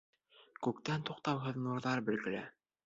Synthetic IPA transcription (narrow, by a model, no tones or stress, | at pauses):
kʉk̚t̪ænt̪uqt̪ɑwɦɤðnuɾðɑɾbɘ̆lɡɘ̆læ̰